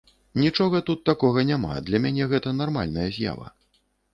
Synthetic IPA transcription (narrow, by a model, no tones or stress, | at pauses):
nʲit͡ʂɔɣɐt̪ut̪ːakɔɣɐnʲama̰d̪lʲɐmʲanʲɛɣɛt̪ɐnarma̰lʲnɐjɐzʲja̰vɐ̰